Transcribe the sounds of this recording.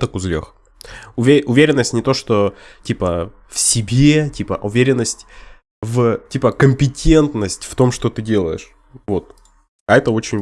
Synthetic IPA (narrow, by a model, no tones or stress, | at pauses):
t̪əkʊzlʲḛx | ʊvʲeʊvʲeɾʲɪnːəsʲtʲnʲɪt̪o̞ʂt̪otʲipə | fsʲɪbʲetʲipəʔʊvʲeɾʲɪnːəsʲtʲ | vtʲipəkəmʲpʲɪtʲʰe̞nt̪nəsʲtʲft̪o̞mʂt̪o̞t̪ɨdʲe̞lˠə̰jɪ̰ʂ | vo̞t̪ | ɐɛt̪əo̞t͡ɕɪnʲ